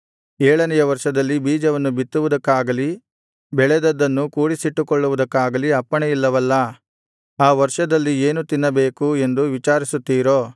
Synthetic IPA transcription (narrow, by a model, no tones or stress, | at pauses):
eːɭɐnɛjɐʋɐɾʂɐd̪ɐlːibiːd͡ʒɐʋɐnːubit̪ːuʋud̪ɐkːaːɡɐli | bɛɭɛd̪ɐd̪ːɐnːukuːɽisiʈːukɔɭːuʋud̪ɐkːaːɡɐliɐpːɐɳɛjilːɐʋɐlːɐ | aːʋɐɾʂɐd̪ɐlːieːnut̪inːɐbe̞ːkue̞nd̪uʋit͡ʃaːɾisut̪ːiːɾoː